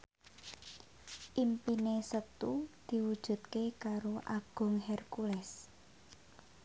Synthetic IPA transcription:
ʔimpinesət̪ud̪̥i̤wud̥ʒ̥ṳt̪̚kekaɾoʔaɡ̥ʊ̤ŋɦɛrkulɛs

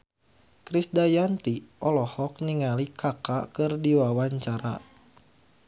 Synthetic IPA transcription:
kɾisdajant̪iʔɔlɔhɔk̚niŋalikʰakakɨrdiwawaɲt͡ʃaɾa̰

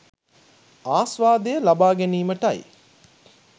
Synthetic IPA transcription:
aːsʋaːd̪ejəlabaːɡæniːməʈɐj

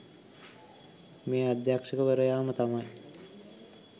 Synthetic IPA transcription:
meːad̪jakʂəkəʋəɾəjaːmət̪amaj

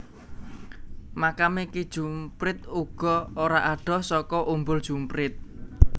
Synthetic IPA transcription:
makameked̥ʒ̥umpɾɪt̪̚uɡ̥ɔ̤oɾaʔaɖ̥ɔ̤sɔkɔʔumbʊld̥ʒ̥umpɾɪt̪̚

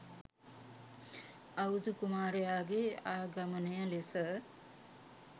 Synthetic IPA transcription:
aud̪ukumaːɾejaːɡeaːɡamənəjəlesə

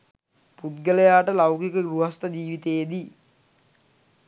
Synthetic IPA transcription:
pud̪̚ɡələjaːʈəlawkikəɡɾuɦast̪əd͡ʒiːʋit̪ejed̪i

